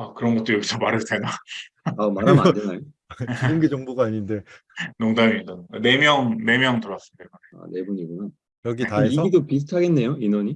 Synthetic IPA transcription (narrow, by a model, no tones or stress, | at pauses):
akɯɾʌnɡʌt̚t͈oɾjʌɡisʰʌmaɾɯɭsʰena | amaɾamad͡ʑenajo | t͡ɕiɡɯmɡet͡ɕʌŋbuɡaːɲinde̞ | noŋdamiindʌnne̞mjʌŋne̞mjʌŋtɯɾas͈ɯdeaa̰ne̞buɲiɡunan | jʌɡitaeiʌɡidopis̬ʰutʰaɡe̞nːe̞joinʌɲi